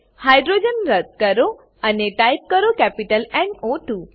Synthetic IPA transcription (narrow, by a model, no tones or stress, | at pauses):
hajɖɾod͡ʑənɾət̪kəɾo | əneʈajp̚kəɾokɛpiʈəlɛ̃ɳoʈu